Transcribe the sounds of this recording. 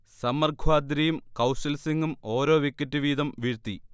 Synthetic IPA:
sɐmɐrɡʱwaːd̪ɾɐjumkɐwsɐlsiŋɡumo̞ːɾo̞ːʋikʲːɐtːɨʋiːd̪ɐmʋiɻt̪ːi

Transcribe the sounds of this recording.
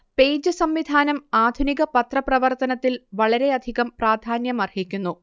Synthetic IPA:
pe̞ːjd͡ʑɨsɐmʋid̪ʱaːnɐmaːd̪ʱuniɣɐpɐt̪rɐprɐʋɐrt̪ɐnɐt̪ːilʋɐɭɐɾe̞ɐd̪ʱiɣɐmpraːd̪ʱaːnjɐmɐrhikʲːunːu

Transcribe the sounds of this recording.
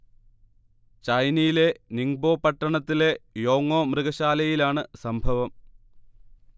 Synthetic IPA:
t͡ɕɐjnijile̞niŋbo̞ːpɐʈːɐɳɐt̪ːile̞jo̞ːŋːo̞ːmrɨɣɐɕaːlɐjilaːɳɨsɐmbʱɐʋɐm

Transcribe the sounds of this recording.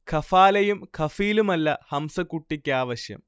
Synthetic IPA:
kʰɐfaːlɐjumkʰɐfijːlumɐlːɐhɐmsɐkːuʈːikʲːaːʋɐɕjɐ̰m

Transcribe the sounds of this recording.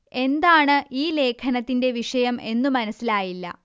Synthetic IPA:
e̞nd̪aːɳɨiːle̞ːkʰɐnɐt̪ːinde̞ʋiʂɐjɐme̞nːumɐnɐsːilaːjilːɐ̰

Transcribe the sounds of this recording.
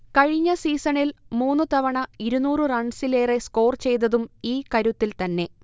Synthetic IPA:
kɐɻiɲːɐsiːsɐɳilmuːnːut̪ɐʋɐɳɐiɾunuːrɨrɐɳɖsileːresko̞ːrt͡ɕe̞jt̪ɐðumiːkɐɾut̪ːilt̪ɐnːe̞

